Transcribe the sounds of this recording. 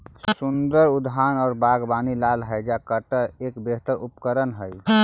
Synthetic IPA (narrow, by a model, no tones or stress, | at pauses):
sund̪əɾud̪ʱɦanɔːɾbaɡbaːnilalɦəjd͡ʒakəʈəɾeːkbeɦt̪əɾupkəɾənɦəj